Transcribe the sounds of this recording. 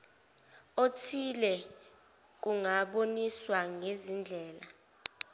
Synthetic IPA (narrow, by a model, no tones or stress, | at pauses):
otʰilɛ | k̬uŋaɓoniswaŋezind͡ɮʱɛːla